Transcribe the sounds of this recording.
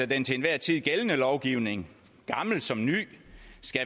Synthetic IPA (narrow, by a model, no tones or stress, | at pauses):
æd̥ent͡sʰe̝nʋæɐ̰t͡sʰið̰ˠɡ̥elənəlɒʊɡ̥iʊne̝ŋ | ɡ̥ɑ̈ml̩̥sɒ̽mny̰ːsɡ̥æ